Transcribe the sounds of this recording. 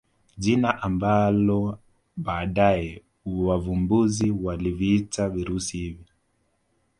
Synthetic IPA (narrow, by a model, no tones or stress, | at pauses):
ʄinaʔambalɔ | ɓaːɗajɛ | wavumbuziwaliviitaviɾusihivɔ